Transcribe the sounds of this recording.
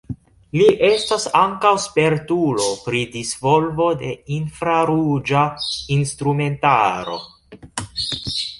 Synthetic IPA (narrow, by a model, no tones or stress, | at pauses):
liʔe̞stasaŋkawspe̞ɾtulo̞pɾidisvo̞lvo̞de̞infɾaɾud͡ʒainstɾume̞ntaɾo̞̰